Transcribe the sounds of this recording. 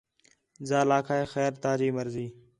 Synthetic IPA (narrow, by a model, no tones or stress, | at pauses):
zaːlaːkʰaːeːxɛːɾt̪aːd͡ʒiːməɾziː